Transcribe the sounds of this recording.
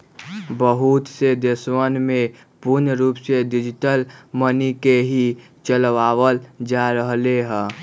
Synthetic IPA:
bəɦut̪sed̪eswənmẽ | puɾnɾuːpsed̪ɪd͡ʒʈəlmənikeɦi | t͡ʃəlʋaːʋəld͡ʒaɾəɦleɦɛ̃

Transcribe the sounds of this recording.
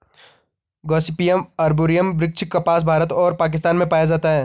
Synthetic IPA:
ɡɔːsɪpijəmɐɾboːɾijəmbɾɪk̚t͡ʃʰɪkːɐpaːs̬bʱaːɾət̪ɔːɾpaːk̬ɪs̬t̪aːnmẽpaːjad͡ʒaːt̪aɦɛː

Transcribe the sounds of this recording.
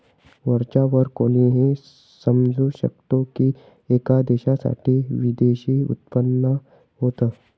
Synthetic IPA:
ʋəɾt͡ʃaʋəɾkoːniɦe | səmd͡ʒʱoʃə̰k̚t̪õki | eːkad̪eːʃasa̰ːʈʰiʋid̪eːʃiʊ̰t̪pənːə | ɦoːt̪a

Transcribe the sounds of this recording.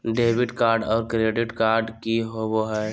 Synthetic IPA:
ɖeːbɪʈkaːɾɖɔːɾkɾeːɖɪʈkaːɾɖkiɦowoɦɛː

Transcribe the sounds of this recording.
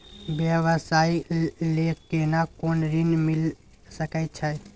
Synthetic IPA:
bjəʋəsaileenakonɾinmil | səkɛt̪̚t͡ʃʰɛ

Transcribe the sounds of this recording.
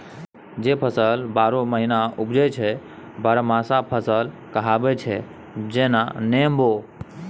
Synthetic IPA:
d͡ʒepʰəsəlbaɾoməɦinaubd͡ʒɛt͡ʃʰɛ | bəɾmãsapʰəsəl | kəɦabɛt͡ʃʰɛ | d͡ʒenanembo

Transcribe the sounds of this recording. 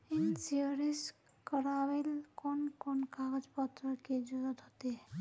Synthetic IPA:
insiəɾis | kəɾabelkonkonkaɡəd͡ʒpət̪ɾəked͡ʒuzət̪ɦot̪e

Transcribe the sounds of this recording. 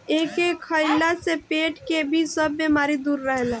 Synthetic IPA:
eːkekʰːəɪlasepeːʈkebʱisəbːemaːɾid̪uːɾːəɦlɛ

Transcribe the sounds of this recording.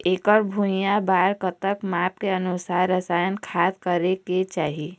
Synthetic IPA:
eːkəɾbʱujãbaːɾkət̪əkmaːp̚keənusaːɾɾːəsaːjənkʰaːt̪kəɾeket͡ʃaːɦi

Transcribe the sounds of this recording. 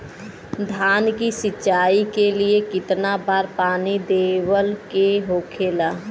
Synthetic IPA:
d̪ʱaːnkisɪt͡ʃaːikeliekɪt̪nabaːɾpaːnid̪eːwəlkeɦoːkʰeːlaː

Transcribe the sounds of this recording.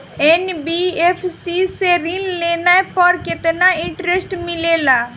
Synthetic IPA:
enbiefʰsiseɾɪlleːnaepɔɾkɪt̪naɪ̃ɳʈɾesʈmɪleːlaː

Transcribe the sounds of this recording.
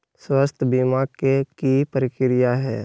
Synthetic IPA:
swast̪ʰbimakekipəɾɪkɾɪjaɦɛ̰ː

